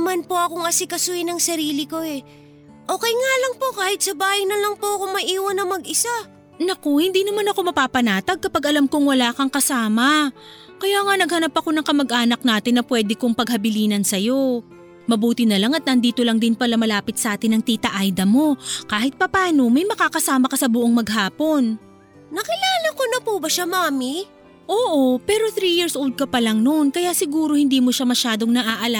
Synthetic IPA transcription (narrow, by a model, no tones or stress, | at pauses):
manpo̞ʔɐkoŋɐsɪkɐsuhɪnɐŋsɐɾiːlɪko̞ɛ | ʔoːkɛjŋalɐŋpo̞kaːhɪt̪̚sɐbaːhɪŋnɐlɐŋpoɐkoŋmɐʔiːwɐnːɐmɐɡɪsa | nɐko̞hɪnd̪iːnɐmanɐko̞mɐpaːpɐnaːt̪ɐɡ̚kɐpaɡɐlamkʊŋwɐlaːkɐŋkɐsaːmɐ | kɐjaːŋanɐɡ̚hɐnapːɐko̞nɐŋkɐmɐɡʔaːnɐk̚naːt̪ɪnːɐpwɛːd̪ɪkoŋpɐɡ̚hɐbɪliːnɐnsɐjo̞ | mɐbuːt̪ɪnɐlaŋɐt̪̚nɐnd̪iːt̪o̞lɐŋd̪ɪnpɐlamɐlaːpɪt̪sɐʔaːt̪ɪnːɐŋt̪iːt̪ɐʔajd̪ɐmo̞kaːhɪt̪̚pɐpaːno̞mɐjmɐkaːkɐsaːmɐkɐsɐbʊʔoŋmɐɡɦaːpo̞n | nɐkɪlaːlɐkonɐpubɐʃamaːmi | ʔoːʔo̞pɛːɾo̞θɾiːjɪɹsʔold̪̚kɐpɐlɐŋnonkɐjaʔsɪɡuːɾo̞hɪnd̪iːmoʃamɐʃaːd̪o̞ŋnɐʔaʔɐla